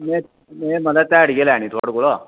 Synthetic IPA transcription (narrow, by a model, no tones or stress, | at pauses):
me | meməlat̪aːɽɡelɛaɽ̃it̪ʰoɽkuɭɔ